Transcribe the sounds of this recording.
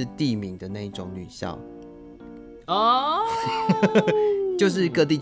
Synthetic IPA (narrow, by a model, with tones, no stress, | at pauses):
t̪i˥˨mi˨˦ŋd̪ə˨na˥˧i˥˩ʈ͡ʂʊ˨˦ŋny˨˩ɕjɑ̰˥˩ʊ | ɔ˥˨ | t͡ɕjo˥˧ʊʂ̬ɻ̩˥˧kɤ˥˧t̪̬i˥˨˩